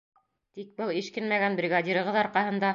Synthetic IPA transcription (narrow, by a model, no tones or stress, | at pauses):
t̪ik̚bɤlˠiʃkɘnmæɡænbrʲɪɡad̪ʲiɾɤ̆ʁɤðɑɾqɑhɤ̆nd̪ɑ